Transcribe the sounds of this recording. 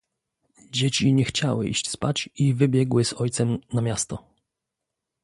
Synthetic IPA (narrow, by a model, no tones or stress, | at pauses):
d͡ʑet͡ɕiɲɛxt͡ɕawɘ̰ʔḭɕt͡ɕspat͡ɕivɘbʲjɛɡwɘz̥ɔjt̪sɛmnamʲjast̪ɔ